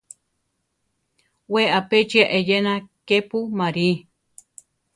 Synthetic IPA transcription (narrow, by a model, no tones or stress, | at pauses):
weapet͡ʃiaʔejenãkepumaɾi